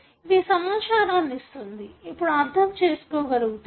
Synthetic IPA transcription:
ʋiːsɐmaːt͡ʃaːɾɐnist̪und̪iipːuɽuaɾd̪ʱɐmt͡ʃeːsu̥koːɡɐɾuɡ̪

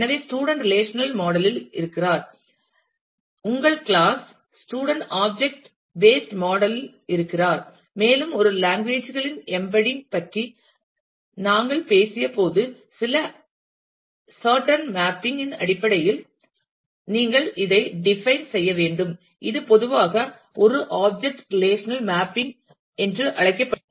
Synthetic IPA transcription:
ɛnɐʋeːsʈuːɽɐɳʈɾɪleːʂɐnɐlmoːɽɐlɪlɪ̰ɾɯkːɪraːɾ | ʊŋɡɐɭkɭaːs | sʈuːɽɐɳʈaːb̚d͡ʒɛk̚ʈ | beːsʈmaːɽɐlɪl | ɪɾɯkːɪraːɾ | meːlɯmɔɾɯlaːŋɡʋeːd͡ʒɣɐɭɪnɛmbɐɽɪnpɐʈri | naːŋɡɐɭpeːsɪjɐpoːðɯ | sɪlɐ | saːɾʈɐnmaːpːɪŋɡɪnɐ̰ɽɪpːɐɽɐjɪl | niːŋɡɐɭɪðɐɪɖɪfɐɪnsɛjːɐʋeːɳɖɯm | ɪðɯpɔðɯʋaːɣɐ | ʔɔɾɯʔaːb̚d͡ʒɛk̚ʈɾɪleːʂɐnɐlmaːpːɪŋɡ | ɛndrɯʔɐɭɐɪkːɐpːɐ

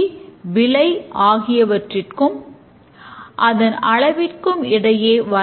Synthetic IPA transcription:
ʋɪlɐɪʔaːɣɪjɐʋɐʈrɪrkɯm | ʔɐðɐnɐɭɐʋɪrkɯmɪɽɐjeːʋɐ

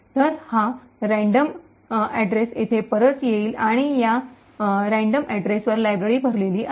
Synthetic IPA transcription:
t̪əɾha | ɾæ̃ɳɖəm | ɛɖɾeset̪ʰepəɾət̪jeiːlaɽ̃ija | ɾæ̃ɳɖəmʔæɖɾesʋəɾlajbɾeɾiːbʱəɾleliːʔ

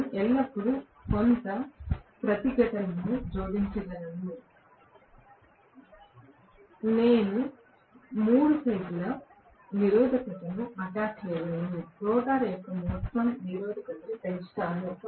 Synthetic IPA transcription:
ʔɛlːɐpːuɽu | kont̪ɐpɾɐt̪iɡɐʈɐnɐnud͡ʒoːd̪iɲt͡ʃɐlɐnɐnːi | ne̞ːnu | muːɽusɐjʈulɐ | niɾɔːd̪ɐkɐʈɐluɐʈaːkleɾɐeːniɾɔːd̪aːɾɛjkːɐmɔːt̪ːɐmniɾɔːd̪ɐkɐʈɐlut̪ɐisʈaːnu

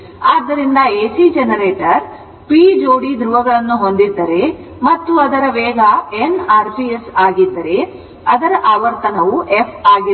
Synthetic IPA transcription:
aːd̪ːɐɾind̪ɐeːsid͡ʒenɐɾeːʈɐɾ | pid͡ʒoːɽid̪ɾuʋɐɡɐɭɐnːuɦo̞nd̪id̪ːɐɾe̞ | mɐt̪ːuɐd̪ɐɾɐʋɛːɡɐenaːɾpiesaːɡid̪ːɐɾe̞ | ɐd̪ɐɾɐʔaːʋɐɾt̪ɐnɐʋuʔepʰaːɡi

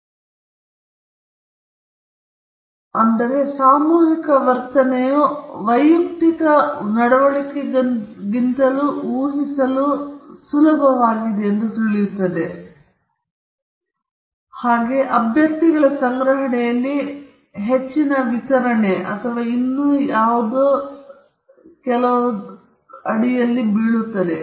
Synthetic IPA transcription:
ɐnd̪ɐɾe̞saːmuːɦikɐʋɐɾt̪ɐnejuʋɐjukt̪ikɐnɐɽɐʋɐɭikeɡint̪ɐluuːɦisɐlusulɐbʱɐʋaːɡid̪eːnd̪ut̪oɭijut̪ːɐd̪e̞ | haːɡe̞ʔɐbʱjɐk̚t̪iɡɐɭɐsɐŋɡɾɐɦɐɳɛjɐlːi | ɦet͡ʃːinɐʋit̪ɐɾɐɳeɐ̰t̪ʰɐʋaːinːujaːʋud̪u | kɛlɐʋu | ɐɽijɐlːibiɭut̪ːɐd̪e

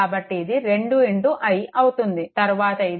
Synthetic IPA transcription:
aːbɐʈːiːd̪iɾe̞ɳɖueɳɖuʔʔɐjʔɐwut̪und̪it̪ɐɾuʋaːt̪ɐid̪

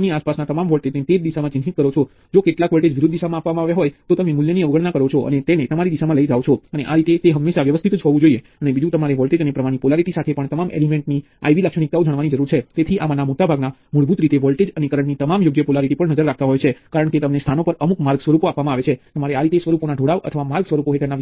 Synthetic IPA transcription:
niaspasnat̪əmamʋɔlʈed͡ʒnet̪ed͡ʒd̪iʃamãt͡ʃɪ̃nɦit̪kəɾot͡ʃʰɔ | d͡ʒokeʈlakʋɔlʈed͡ʒʋɪɾʊd̪ːd̪iʃamãapʋamãaʋjaɦojt̪ot̪əmemʊljəniəʋɡəɭnakəɾot͡ʃʰɔʔə̰net̪enet̪əmaɾid̪iʃamãləid͡ʒaʋt͡ʃʰɔəneʔaɾit̪et̪eɦəmːeʃaʋjəʋəst̪ʰit̪d͡ʒɦɔʋũd͡ʒoieənebid͡ʒũt̪əmaɾeʋɔlʈed͡ʒənepɾəmaɽ̃ipolaɾiʈisat̪ʰepəɳt̪əmamʔḛlimẽɳʈni | a̰jʋiləkʃəɽ̃ik̚t̪aod͡ʒəɳ̃ʋanid͡ʒəɾuɾt͡ʃʰet̪et̪ʰiʔa̰manamoʈabʱaɡnamuɭbʱut̪ɾit̪eʋɔlʈed͡ʒənekəɾəɳnit̪əmamjoɡjəpolaɾiʈipəɳnəd͡ʒəɾːak̚t̪aɦojt͡ʃʰekaɾəɳket̪əmnest̪ʰanopəɾəmukmaɾɡsʋəɾupoapʋamãaʋet͡ʃʰet̪əmaɾeaɾit̪esʋəɾuponaɖʱoɽaʋʔə̰t̪ʰəʋamaɾɡsʋəɾupoɦeʈʰəɾna

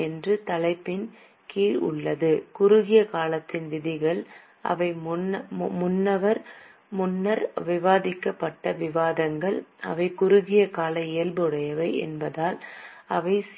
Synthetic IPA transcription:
ɛndrɯt̪ɐlɐɪpːɪn | kiːlʊ̰ɭːɐðɯkʊɾʊɣɪjɐkaːlɐt̪ːɪnd̪ɪðɪɣɐɭ | ʔɐ̰ʋɐɪmmʊnːɐʋɐɾ | mʊnːɐɾʋɪʋaːðɪkːɐpːɐʈːɐʋɪʋaːðɐŋɡɐɭɐ̰ʋɐɪkʊɾʊɣɪjɐkaːlɐɪjɐlbɯɽɐjɐʋɐɪɛ̰nbɐðaːlɐʋɐɪs

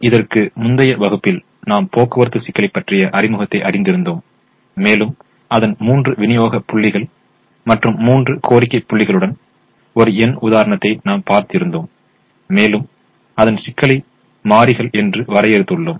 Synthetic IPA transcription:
ɪðɐrkɯmʊnd̪ɐjɐʋɐɣɯpːɪl | naːmpoːkːɐʋɐɾɯt̪ːɯsɪkːɐɭɪpːɐʈrɪjɐʔɐɾɪmɯɣɐt̪ːɐɪʔɐɾɪnd̪ɪɾɯnd̪oːmː | eːlɯm | ʔɐðɐnmuːndrɯʋɪnɪjoːɣɐpʊɭːɪɣɐɭ | mɐʈrɯmːuːndrɯkʰoːɾɪkːɐɪpːʊɭːɪɣɐɭɯɽɐn | ɔɾɯɛnʊðaːɾɐɳɐt̪ːɐɪnaːmpaːɾt̪ɪɾɯnd̪oːmː | eːlɯm | ɐðɐnsɪkːɐɭɪ | maːɾɪɣɐɭɛndrɯʋɐɾɐjɛɾɯt̪ːɯɭːoːm

